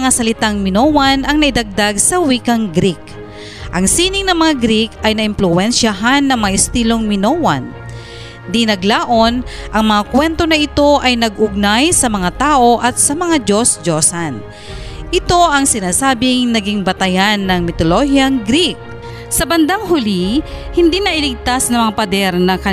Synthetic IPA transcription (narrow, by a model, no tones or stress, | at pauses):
ŋasɐlɪt̪aŋmɪnoːwɐnʔɐŋnɐʔɪd̪ɐɡ̚d̪aɡsɐwikɐŋɡɾik | ʔɐŋsiːnɪŋnɐŋmɐŋaɡɾikʔɐjnɐʔɪmplʊʔɛnʃaɦanːɐŋmɐŋaʔɪst̪iːlo̞ŋmɪnowɐ̰n | d̪inɐɡlaːʔo̞nʔɐŋmɐŋakwɛnt̪o̞nɐʔɪt̪o̞ʔɐjnɐɡʔʊɡ̚najsɐmɐŋat̪aːʔo̞ʔɐt̪̚sɐmɐŋad͡ʒosd͡ʒo̞sɐn | ʔɪt̪o̞ʔɐŋsɪnaːsaːbɪŋnɐɡiŋbɐt̪ɐjanːɐŋmɪt̪olohjɐŋɡɾik̚ | sɐbɐnd̪aŋɦʊlihɪnd̪inɐʔɪlɪɡ̚t̪asnɐŋmɐŋapɐd̪ɛɾnɐkɐ